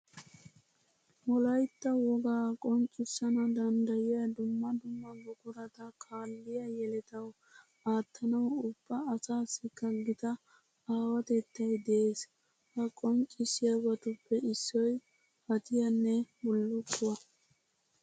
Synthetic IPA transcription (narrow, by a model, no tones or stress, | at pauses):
mɔlɐjt̪ːɐwɔɡaːkʼɔŋkʼːɪsːɐnɐd̪ɐnd̪ɐjɪjɐd̪ʊmːɐd̪ʊmːɐbʊkʊɾɐt̪ɐkʰaːlːɪjɐjɛlɛt̪ɐw | aːt̪ʰːɐnɐwʊb̥ːɐːsaːsːɪkːɐɡɪt̪ɐ | aːwɐt̪ɛt̪ːɐjd̪ɛeːs | hɐkʼɔŋkʼːɪsːɪjɐbɐt̪ʊpːɛɪsːɔj | hɐt̪ɪjɐnːɛbʊlːʊt̪ːʊwɐ